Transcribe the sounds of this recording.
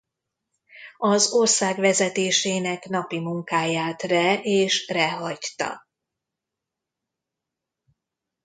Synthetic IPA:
ɒzo̞rsaːɡʋɛzɛt̪eːʃeːnɛknɒpimuŋkaːjaːt̪rɛeːʃrɛɦɒct̪ɒ̰

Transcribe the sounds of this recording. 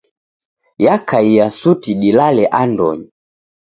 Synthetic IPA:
jakʰaijasutiɗilalɛʔandɔ̰ɲi

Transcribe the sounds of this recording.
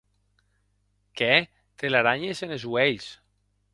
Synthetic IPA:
kɛ | t̪elaɾaɲesenezweʎs

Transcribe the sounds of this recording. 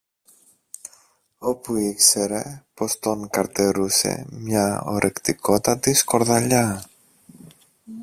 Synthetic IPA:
o̞puikse̞ɾe̞po̞st̪o̞ŋkɐɾt̪e̞ɾuse̞̰mɲɐo̞̰ɾʔekt̪iko̞t̪ɐt̪isko̞ɾðɐʎɐ

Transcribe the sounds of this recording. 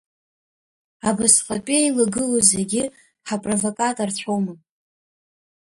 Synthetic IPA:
abɨsqʼapʼejlaɡɨlozeɡʲɪ | ħapʼrovokʼatʼart͡ɕʷʰomɨ

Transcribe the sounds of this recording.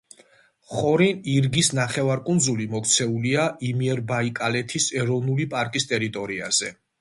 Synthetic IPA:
χɔɾiniɾɡisnaχɛvaɾkʼund̪zulimɔkʰt̪sʰɛuliaʔimiɛɾbaikʼalɛt̪ʰisɛɾɔvnulipʼaɾkʼist̪ʼɛɾit̪ʼɔɾia̰z̥ɛ

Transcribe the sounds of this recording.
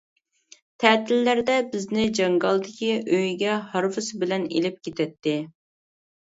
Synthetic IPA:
t̪ʰɛt̪ʰɪlːæɾd̪ɛbɪznɪd͡ʒɑŋɡɑlˠd̪ɪkʲiʔøjɡʲɛhɑɾvɨsɨbɪlɛnḛlɪp̚kʲʰet̪ʰɛt̪ːɪ

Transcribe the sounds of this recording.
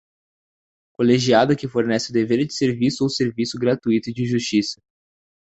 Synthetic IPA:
koleʒiad̪ɐkɪfoɾnɛsɪʊd̪eveɾʊd͡ʒɪ̥seɾvisʊowseɾvisʊɡɾat̪uit̪ʊd͡ʒɪʒust͡ʃisɐ

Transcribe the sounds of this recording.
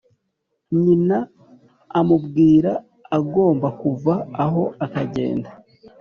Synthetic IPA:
ɲinaː | mubɡiːɾa | aɡo̞ːmbakuvaːɦo̞ʔakaɟe̞̰ːnda

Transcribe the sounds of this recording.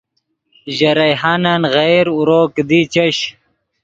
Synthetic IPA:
ʑɐɾɐjɦanɐnɣejɾuɾoːkd̪it͡ɕɐɕ

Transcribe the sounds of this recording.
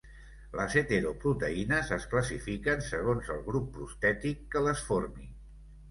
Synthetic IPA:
ləset̪eɾopɾut̪əinəzəskləsifikənsəɣ̞onzəlˠɣɾupːɾust̪ɛt̪ikːələsfoɾmi

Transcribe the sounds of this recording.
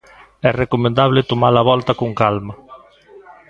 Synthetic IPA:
ɛrekomẽnd̪aβlɪt̪omaɾaβɔlt̪akoŋkalma

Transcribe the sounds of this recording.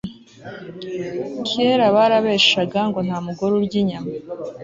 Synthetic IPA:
kʰieɾaβaɾaβeːʃʃaɡaŋɡo̞n̥haːmuɡoɾubɟiɲama

